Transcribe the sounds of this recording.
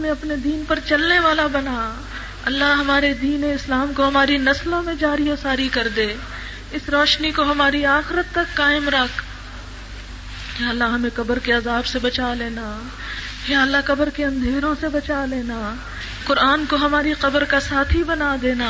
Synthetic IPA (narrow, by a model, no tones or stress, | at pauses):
mẽɐpned̪iːnpɐɾt͡ʃɐlneʋaːlabɐna | ɐlːaɦɦɐmaːɾed̪iːneɪslaːmkoɦɐmaːɾinɐslõmẽd͡ʒaːɾioːsaːɾikɐɾd̪eː | ɪsɾɔːʃnikoɦɐmaːɾiaːxɪɾət̪ːɐkːaːɪmɾɐkʰ | kaɐlːaɦɦɐmẽqɐbəɾkeazaːbsebɐt͡ʃaleːna | kaɐlːakɐbəɾkeɐ̃nd̪ʱeːɾõsebɐt͡ʃaleːnaː | qʊɾaːnkoɦɐmaːɾiqɐbəɾkasaːt̪ʰɦibɐnad̪eːnaː